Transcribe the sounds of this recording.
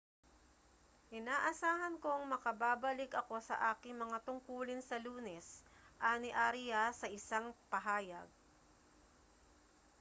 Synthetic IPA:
ʔɪnaːʔɐsaːɦɐnko̞ɐŋmɐkɐbaːbɐlɪkʔɐko̞sɐ̰ʔaːkɪŋmɐŋat̪ʊŋkuːlɪnsɐluːnɛsʔanɪʔaɾɪjasɐʔɪsaŋpɐɦaːjɐ̰ɡ̚

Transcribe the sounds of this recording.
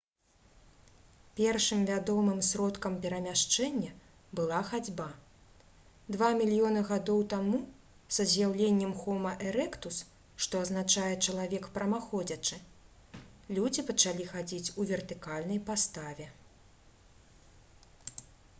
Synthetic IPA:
pʲɛrʂɨmvʲad̪ɔmɨmsɾɔt̪kɐmpʲɛɾɐmʲaʂt͡ʂɛnʲːɐ | bɨlˠaxad͡zʲba | d̪vamʲilʲjɔnɐɣad̪ɔwt̪amu | sɐzʲjawlʲenʲːɛmxɔmɐʔɛɾɛkt̪us | ʂt̪ɔɐzn̪at͡ʂajɛt͡ʂɐlˠavʲɛkpɾɐmaxɔd͡zʲɐt͡ʂɨ | lʲud͡zʲipɐt͡ʂalʲixad͡zʲit͡sʲuvʲɛrt̪ɨkalʲnɐjpast̪avʲɛ

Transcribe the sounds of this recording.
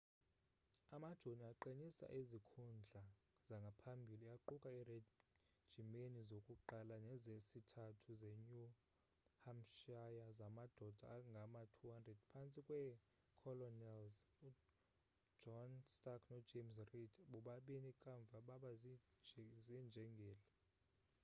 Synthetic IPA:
amad̥ʒ̥ʱoniaǃenisa̰ʔizikʰund͡ɮʱa | z̥aŋɡʱapʰambʱiliaǃukʼaɛre̥ | ʒ̥ʱimenizokʼuǃalanɛzesitʰatʰuzeɲu | hamʃajazamad̥ʱɔd̥ʱa̰ŋɡʱamatʰuhandrɛd̥pʰant͡sʼikʼwɛ | kʰɔlɔnɛlzu | d͡ʒɔnstʼakʰnɔd͡ʒemsridʰɓuɓaɓinikʼaɱvʱaɓaɓaz | zɛnd͡ʒʱɛŋɡʱɛːlɛ

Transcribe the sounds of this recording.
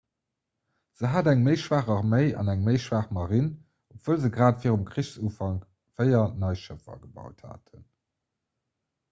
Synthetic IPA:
z̥əɦaːdæŋmeɪʃvaːχəʁməɪɑ̰næŋməɪʃvaːχmɑʁin | opv̥oːlzəɡʁaːtfiːʁumkχiɕsuːfɑŋ | v̥əɪɐnɑɪʃəfɐ̰ɡəbɑ̰ʊtha̰ːtʰən

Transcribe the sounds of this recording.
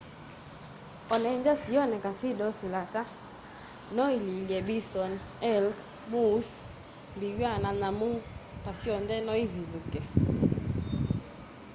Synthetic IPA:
ɔnɛɲd͡ʒasijɔnɛkasɪdɔsɪlata | nɔililjɛbisɔn | ɛlk | mus | mbiwananamupasjɔndɛnɔivivukɛ

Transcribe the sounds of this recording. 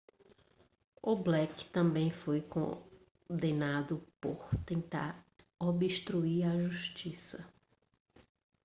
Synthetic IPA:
ʊblɛkɪ̥t̪ɐ̃mbẽj̃fojkõ̰ | d̪ẽnad̪ʊpo̰ɾt̪ẽnt̪a̰ɾobiʃt̪ɾuiɾɐʒuʃt͡ʃisɐ

